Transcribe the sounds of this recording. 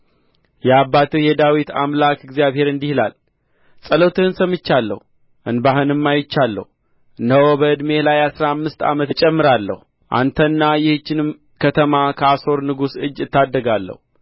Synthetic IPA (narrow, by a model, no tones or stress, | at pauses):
jɛabːat̪ʰɨjɛd̪awit̪a̰mlakɪɡzjaβhe̞ɾɨnd̪ihla̰l | sʼələt̪ʰɨhɨnsəmɨt͡ʃːalːə̰hu | ʔɨnbaɦɨnɨmːajɪt͡ʃːalːə̰hu | ɨnːəwobəɨd̪me̞lajasɾaamːɨst̪a̰mət̪t͡ʃʼɛmːɨɾalːə̰hu | ʔa̰nt̪ʰənːajɪhɨt͡ʃːɪnɨm | kʰət̪ʰəmakʰəaso̞ɾnɨɡusɨd͡ʒːɨt̪ːad̪ːəɡalːə̰hu